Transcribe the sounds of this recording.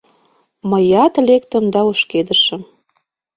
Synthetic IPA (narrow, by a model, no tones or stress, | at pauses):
məjɑt̪lekt̪ə̆md̪ɑoʃked̪əʃə̆m